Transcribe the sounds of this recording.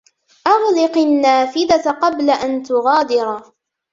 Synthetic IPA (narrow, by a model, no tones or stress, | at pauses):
ʔɑɣlɪqanːaːfɪd̪at̪qɑblaʔant̪ʊɣɑːd̪ɪɾˤ